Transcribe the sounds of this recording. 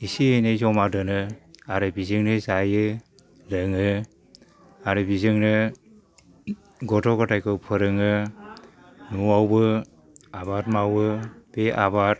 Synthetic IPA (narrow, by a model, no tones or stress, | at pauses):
isiejnezɔmadɯnɯaɾɯbizɯŋnɯzajɯ | lɯŋɯ | aɾɯbizɯŋnɯ | ɡɔtʰɔkɔtʰajkʰɯpʰɯɾɯŋɯ | nuawbɯ | abat̚mawɯb̥eʔa̰bat̚